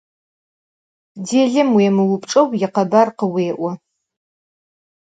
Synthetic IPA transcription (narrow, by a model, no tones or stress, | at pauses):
deːɮɨmwiɛmɨwʊpʰʼʈ͡ʂʼɨwjɪqɐbarqəweːʔʷɐ